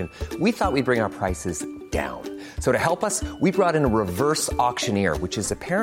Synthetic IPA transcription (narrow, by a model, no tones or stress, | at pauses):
ɨ̃nwiθɔt̚ʔ̚wid̚bɹɪ̃ŋaʊə˞pʰɹ̥aɪsɨzd̥ã̰ʊ̃n | soʊɾɨhɛlˠpʌswibɹɔɾɨ̃nəɹɨvɜ˞sɔkʃɨ̃nɪɹwɨt͡ʃɨzɨpʰɛɹɨ̃